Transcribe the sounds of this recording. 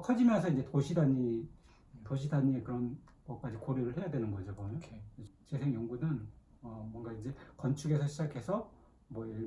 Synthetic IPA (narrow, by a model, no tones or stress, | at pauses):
kʰʌd͡ʑimjʌnsʰʌind͡ʑe̞toɕʰidaɲi | toɕʰidaɲiekɯɾʌn | mʌk͈ad͡ʑikoɾjuɾɯɭhe̞jadwe̞nɯnɡʌd͡ʑobʌoet͡ɕesʰe̞ŋjʌŋɡunɯn | ʌmwʌnɡaind͡ʑe̞kʌnt͡ɕʰuɡe̞sʰʌɕʰid͡ʑakʰe̞sʰʌ | mwʌe